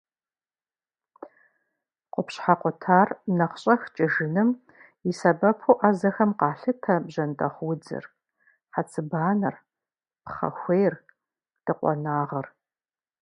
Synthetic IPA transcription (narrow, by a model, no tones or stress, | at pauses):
qʷʊpɕħaqʷʊtʰaːrnɐχɕʼɐxt͡ʃʼɪʒɪnɨm | isɐbɐpʰoʔazɐxɐmqɑːɬɨtʰɐbʑɐntʼɐχwʊd͡zɨ̰r | ħat͡sʰʼɨbaːnɐr | pχɐ̰xʷejr | d̥ɨqʷʼɔ̰naːʁɐr